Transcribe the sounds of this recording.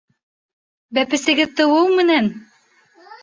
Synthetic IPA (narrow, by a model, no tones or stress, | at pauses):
bæpɘ̆sɘ̆ɡɘðt̪ɤ̆wɤwmɘ̆næn